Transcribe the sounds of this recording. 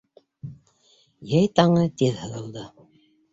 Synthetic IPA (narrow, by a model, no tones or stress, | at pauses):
jæjt̪ɑɴɤt̪iðhɤ̆ðɤ̆lˠd̪ɤ